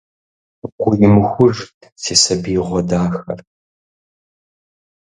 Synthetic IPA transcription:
qʷʊjɪmɨxʷʊʒ | sʰeːsɐbiːʁʷɔdaːxɐ̰r

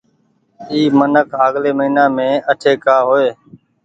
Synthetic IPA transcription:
iːmənəkʰaːɡleːməɦiːnaːmẽːəʈʰeːkaːɦoːeː

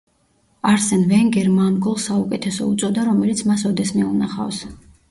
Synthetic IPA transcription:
aɾsɛnvɛŋɡɛɾmanɡɔlˠsaukʼɛt̪ʰɛsɔ̰ut̪sʼɔd̪aɾɔmɛlit̪sʰmasɔd̪ɛsmɛunaχa̰fs

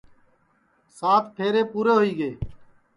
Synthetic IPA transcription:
saːt̪ʈʰeːɾeːpuːɾeːɦʊiːɡeː

